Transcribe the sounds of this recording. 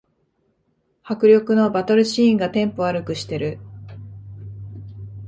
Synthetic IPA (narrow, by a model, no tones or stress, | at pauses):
hakɯ̟ɾʲjo̞kɯ̟no̞bat̪o̞ɾɯ̟ɕĩːŋɡat̪ẽ̞mpo̞aɾɯ̟kɯ̟ɕi̥t̪e̞ɾɯ̟